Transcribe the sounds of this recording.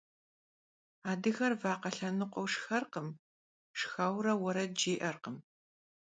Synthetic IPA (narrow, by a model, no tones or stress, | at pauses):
aːdɨxɐrvaːqɐɬɐnɨqʷɔwʂxɐrqəm | ʂxaːwɾɐwɐɾɐd͡ʒeːʔɐrqəm